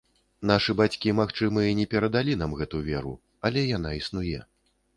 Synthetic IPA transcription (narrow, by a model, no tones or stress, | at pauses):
n̪aʂɨbat͡sʲkʲimaxt͡ʂɨmɨinʲɛpʲɛɾɐd̪alʲin̪amɣɛt̪uvʲɛɾṵ | ɐlʲɛjanaisnujɛ